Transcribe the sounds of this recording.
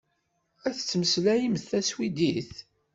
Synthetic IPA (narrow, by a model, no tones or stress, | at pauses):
æθət͡sːməslæjimθæswid̪iθ